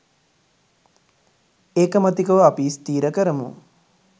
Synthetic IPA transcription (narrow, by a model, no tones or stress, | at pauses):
eːkəmɐt̪ikəʋapist̪iːɾəkəɾəmṵ